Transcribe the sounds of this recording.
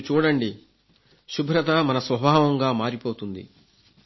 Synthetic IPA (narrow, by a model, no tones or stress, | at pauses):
t͡ʃuːɽɐɳɖi | ʃubʱɾɐt̪ɐmɐnɐsʋɐbʱaːʋɐŋɡaːmaːɾipoːt̪und̪ḭ